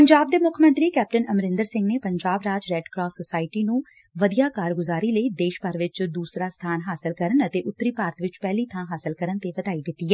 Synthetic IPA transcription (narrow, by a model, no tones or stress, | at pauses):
pəɲd͡ʒaːb̚d̪eːmʊkʰmə̃nt̪ɾiːkɛːp̚ʈənəmɾɪ̃nd̪əɾsɪ̃ŋɡneːpəɲd͡ʒaːbɾaːd͡ʒɾɛːɖkɾɔːsːosaːɪʈiːnũː | ʋəd̪ijaːkaːɾɡʊzaːɾiːləiːd̪eːʃbəɾʋɪt͡ʃd̪uːsɾaːst̪ʰaːnɦaːsɪlkəɾənət̪eːʔʊt̪ːɾiːpaːɾət̪ʋɪt͡ʃpɛːliːt̪ʰãːɦaːsɪlkəɾənt̪eːʋəd̪aːiːd̪ɪt̪ːiːɛː